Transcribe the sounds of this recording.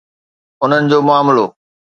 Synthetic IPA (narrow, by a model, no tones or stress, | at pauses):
ʊn̤ənɪ̆d͡ʑoːmʊaːmloː